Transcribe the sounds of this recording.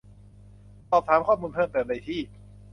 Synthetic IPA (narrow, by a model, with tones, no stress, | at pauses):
sɔː˨˩p̚t̪ʰaː˩˦mkʰɔː˥˩muː˧npʰɤː˥˩tp̪ɯː˨˩t̪̚na˧jt̪ʰiː˥˩